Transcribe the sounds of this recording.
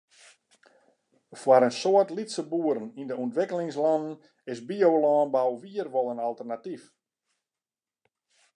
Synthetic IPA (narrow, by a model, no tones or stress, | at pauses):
fwaɾənsoətlitsəbuəɾənindəuntʋɪkəlɪŋslɔnən̩ | ɪsbiowlɔːnbawʋiːərʋɔlˠənalˠtərnatif